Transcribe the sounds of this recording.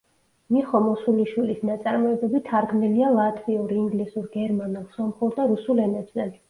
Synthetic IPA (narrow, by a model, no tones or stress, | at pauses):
miχɔmɔsuliʃwilisnat̪sʼaɾmɔɛbɛbit̪ʰaɾɡmnilialˠat̪ʼʰviuɾiːŋɡlisuɾɡɛɾmanɛlˠsɔmχɔɾd̪aɾusulɛnɛbzɛl